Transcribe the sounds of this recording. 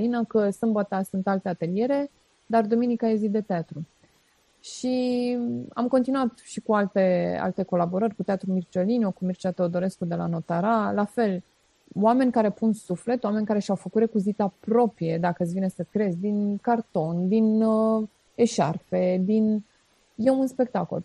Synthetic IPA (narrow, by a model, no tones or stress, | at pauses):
linəkəsɨmbət̪asunt̪alt̪e̞at̪e̞lije̞ɾe̞ | d̪ard̪ominikajezid̪e̞t̪eat̪ɾu | ʃi | a̰mko̞nt̪inuat̪ʃikualt̪e̞a̰lt̪e̞ko̞labo̞ɾərʲkut̪eat̪ɾumirt͡ʃolinokumirt͡ʃat̪eod̪o̞ɾe̞skud̪e̞la̰no̞t̪aɾalafe̞l | oame̞nʲkaɾe̞punsufle̞t̪oame̞nʲkaɾe̞ʃawfəkut̪ɾe̞kuzit̪apɾo̞pɾije̞d̪akət̪svinesəkɾe̞zʲd̪inkart̪o̞nd̪in | e̞ʃarfe̞d̪in | je̞unspe̞k̚t̪ako̞̰l